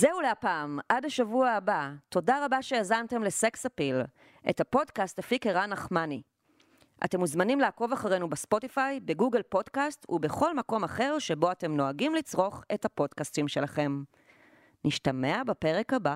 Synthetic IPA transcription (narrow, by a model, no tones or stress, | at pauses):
zeuleapaːmʔadhaʃavuaːbato̞daʁabaʃe̞ezante̞mle̞se̞ksapil | ʔe̞̰thapo̞dkastfikeʁanaχmani | ʔa̰te̞muzmanimleako̞vaχaʁejnubespo̞tifajbeɡuɡelpo̞dkastṵbe̞χo̞lmako̞maχe̞ʁʃe̞bo̞ate̞mno̞aɡimlit͡sʁo̞χe̞thapo̞dkastimʃe̞laχe̞m | niʃtame̞abape̞ʁe̞kaba